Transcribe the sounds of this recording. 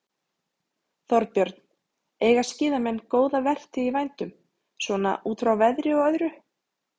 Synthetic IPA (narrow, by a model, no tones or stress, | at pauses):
θɔɾpjœɾt̪n̥ | eːjɣascɪːðamɛnːkoːwðavɛr̥t̪ɪivajnt̪ʏm | svɔːna̰ʔuːt̪ɾawvɛðɾɪɔɣœðɾʏ